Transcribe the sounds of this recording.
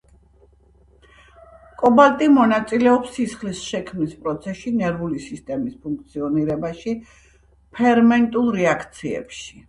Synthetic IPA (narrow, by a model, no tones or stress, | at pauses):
kʼɔbalt̪ʼimɔnat̪sʼilɛɔpsːisχlisʃɛkʰmnispʼɾɔt̪sʰɛʃinɛɾvulisist̪ʼɛmispʰuŋk̚ʰt̪sʰiɔniɾɛbaʃi | pʰɛɾmɛnt̪ʼulˠɾɛakʰt̪sʰiɛ̰pʃi̥